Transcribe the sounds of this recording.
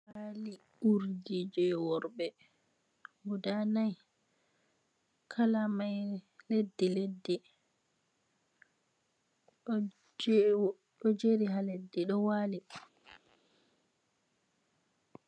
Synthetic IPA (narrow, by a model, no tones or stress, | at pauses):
wali | uɾdid͡ʒɛwɔɾbɛ | budanaj | kʰalamajledːiledːi | ɗɔd͡ʒeɾiɦaledːiɗɔwali